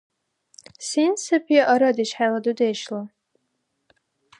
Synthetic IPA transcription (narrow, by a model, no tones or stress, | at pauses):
sinsɨpʰjaʔaɾadiʃħaladudejʃla